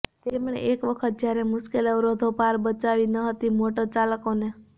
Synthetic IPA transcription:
t̪emɳḛʔekʋəkʰət̪̚d͡ʒjaɾemʊʃkeləʋɾod̪ʱopaɾbət͡ʃaʋinəɦət̪imoʈot͡ʃaləkone

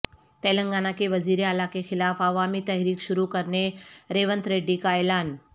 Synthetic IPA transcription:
t̪eləŋɡanakeʋəziɾialakexilafaʋamiːt̪əɦɾiːkɕuɾukəɾɳeɾeʋənt̪ɾeɖiːkajlan

